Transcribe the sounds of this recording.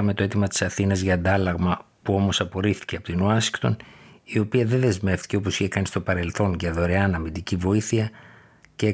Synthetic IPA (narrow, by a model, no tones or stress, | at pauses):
ɐme̞t̪o̞e̞t̪imɐt̪i̥sɐθinɐzʝɐːnd̪ɐlɐɣmɐ | puo̞mo̞sɐpo̞ɾiθi̥ce̞ɐpot̪inuɐsiŋɡt̪o̞̰nio̞piɐðe̞nðe̞zme̞ft̪i̥ce̞o̞po̞siçe̞kɐnist̪o̞pɐɾe̞lθo̞nʝɐðo̞ɾe̞ɐnɐmind̪icivo̞iθiɐ | ceː